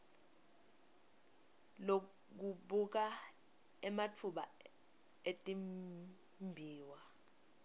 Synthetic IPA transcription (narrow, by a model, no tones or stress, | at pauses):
lo | k̬uɓuk̬a | ɛmatʰuɓa̰ | etʼim | mbʱiːwa